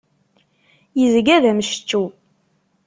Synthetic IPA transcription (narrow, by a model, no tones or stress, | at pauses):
jəzɡæðæməʃə̥t͡ʃːu